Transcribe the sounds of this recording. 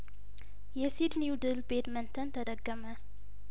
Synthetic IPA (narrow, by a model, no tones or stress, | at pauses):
jɛsid̪niwud̪ɨlbed̪mənt̪ʰənt̪ʰəd̪əɡːəmə